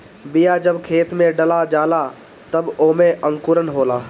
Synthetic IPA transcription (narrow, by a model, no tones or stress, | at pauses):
bɪjad͡ʒɐbkʰeːt̪mẽɖɐlad͡ʒaːla | t̪ɐboːmẽʔə̃ŋkʊɾənɦoːlaː